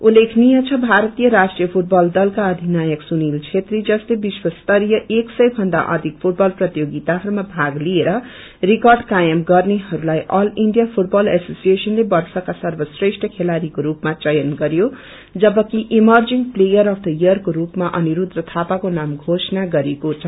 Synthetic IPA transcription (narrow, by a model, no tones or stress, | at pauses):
ulekʰnijʌt͡sʰʌbʱaɾʌt̪ijʌɾasʈrijʌpʰuʈ̚bʌld̪ʌlkaʌd̪ʱinajʌksunilt͡sʰet̪rid͡zʌslebiswʌst̪ʌɾjʌʔeksʌjbʱʌnd̪a̰ʔʌ̰d̪ʱik̚pʰuʈ̚bʌlprʌt̪joɡit̪aɦʌɾumabʱaɡlieɾʌ | rikʌrɖkajʌmɡʌrneɦʌɾulajʔʌliɳɖijapʰuʈbʌlesosijesʌnlebʌrsʌkasʌrbʌsresʈʰʌkʰelaɾikoɾupmat͡sʌjʌnɡʌɾjo | d͡zʌbʌkiʔimʌrd͡ziŋplejʌɾʌft̪ʌjʌrkoɾupmaʔʌniɾud̪rʌt̪ʰapakonamɡʱosʌnaɡʌɾekot͡sʰʌ